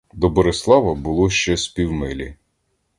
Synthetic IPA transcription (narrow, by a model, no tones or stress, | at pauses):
d̪ɔbɔɾeslˠɑʋɐbʊlˠɔʃt͡ʃɛspʲiwmɪlʲi